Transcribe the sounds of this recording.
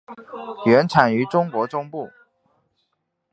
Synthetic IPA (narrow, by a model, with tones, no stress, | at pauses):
ɥɛ˧˥nʈ͡ʂʰa˨˩ny˧˥ʈ͡ʂʊ˥ŋkwɔ˧˥ʈ͡ʂʊ˥ŋpu˥˩